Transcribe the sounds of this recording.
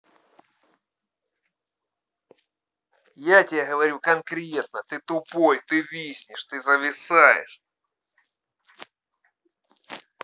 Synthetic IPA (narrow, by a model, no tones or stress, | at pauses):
jatʲɪaɣəvɐɾʲukɐnkɾʲe̞t̪̚nət̪ɨt̪ʊpojt̪ɨvʲisʲnʲɪʂt̪ɨzəvʲɪsajɪ̰ʂ